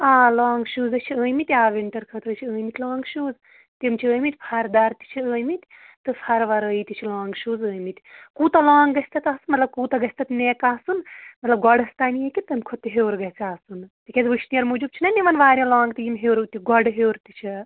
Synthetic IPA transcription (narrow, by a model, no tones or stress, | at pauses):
aːlãːŋɡʃuːzɐt͡ʃʰiəːjmit̪ʲaːʋeɳʈɐɾkʰɐt̪ɾɐt͡ʃʰiəːmit̪ʰʲlaːŋɡʃuːz | t̪imt͡ʃʰiəːmit̪ʲpʰɐɾd̪aɾt̪i̥t͡ʃʰiəːmit̪ʲ | t̪ɨpʰɐɾʋɐɾəit̪ʲit͡ʃʰilaːŋɡʃuːzəːjmit̪ʲkuːt̪ɐlaːŋɡɡɐsʲt̪ɐt̪aːsɨnmɐt̪lɐb̚kuːt̪ɐɡɐsʲt̪ɐt̪neːkaːsunmɐt̪lɐb̚ɡɔɖɐst̪aːnijekʲit̪ɨmʲkʰot̪ːiɦeːɾɡɐt͡sasunt̪ikʲezʋɨʃʰnijɐɾmud͡ʒub̚t͡ʃʰinɐniʋɐnʋaːɾʲjɐ̃laːŋɡt̪ɨjimʲɦewɾut̪ʲiɡɔɖɦewɾt̪it͡ʃʰi